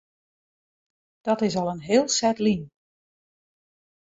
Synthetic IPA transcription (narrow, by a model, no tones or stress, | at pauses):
d̥ɔtɪsɔlˠənɦɪːlˠsɛtlin